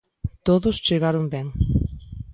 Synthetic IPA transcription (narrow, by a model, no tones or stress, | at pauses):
t̪oðʊst͡ʃeɣaɾʊmbɛŋ